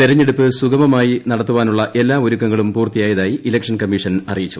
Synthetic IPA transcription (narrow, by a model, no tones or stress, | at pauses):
peɾɐɲːe̞ɽupːɨsuɡɐmɐmaːjinɐɽɐt̪ːuʋaːnuɭːɐʔe̞lːaːoɾukːɐŋːɐɭumpuːrt̪ijaːjɐðaːjiʔilɐkʂɐnkɐmiʂɐnɐrijit͡ɕːu̥